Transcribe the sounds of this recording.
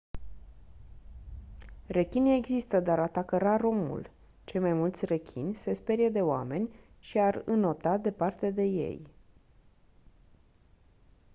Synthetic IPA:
re̞kʲinieɡzist̪əd̪aɾat̪akəɾaɾo̞mṵl | t͡ʃe̞jmajmult̪sʲre̞kʲʰḭnʲse̞spe̞ɾijed̪e̞owa̰me̞nʲ | ʃiarɨno̞t̪ad̪e̞part̪e̞d̪e̞je̞̰j

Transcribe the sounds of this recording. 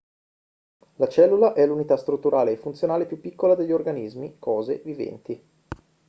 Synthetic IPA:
lat͡ʃɛlːulaʔɛlːunit̪ast̪ɾut̪ːuɾʔaːleːfunt̪sjonaːlepjupːikːolad̪eʎːiorɡanizmikʰɔːzḛvivɛ̰nt̪i

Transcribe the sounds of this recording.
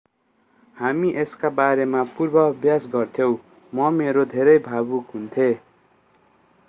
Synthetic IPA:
hamiʔeskabaɾemapurbʌʌbjasɡʌrt̪ʰjow̃ | mʌmeɾod̪ʱeɾʌjbʱabukɦunt̪ʰe

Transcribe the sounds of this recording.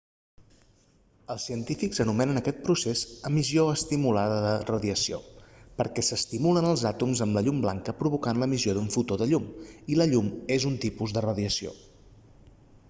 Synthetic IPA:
əlˠsiənt̪ifikzənumɛnənəkɛt̪̚pɾusezəmizjoəst̪imulaðəðərəðiəsio̰pəɾkɛsəst̪imulənəlˠzat̪umzəmləʎumbla̰ŋkəpɾuβukanləmizjoðuɱfut̪oðəʎumiləʎumezunt̪ipuzðərəðiəsio̰

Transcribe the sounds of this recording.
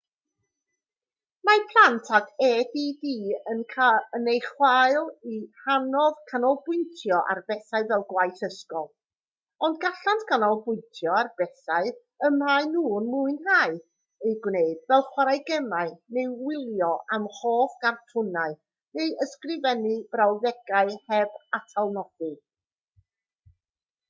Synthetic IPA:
mapʰlˠantʰaɡʰɛːdidiːənkʰaənejχwaɨlˠihanɔðkʰanɔlˠbʊjntʰjɔʔa̰rbɛθaɨvɛlˠɡwajθəskɔlˠ | ɔndɡaɬantkʰanɔlˠbʊɨntʰjɔarb̥ɛθaɨ | əmaɨnuːnmʊɨnhaːɨ | ejɡwneɨdvɛlˠχwaɾajɡɛmaɨnewɪlˠjɔʔamχoːθɡ̥artʰʊnaɨ | nejəskrɪvɛnibrawðɛɡaɨhɛbatʰalˠnɔd̥ɨ

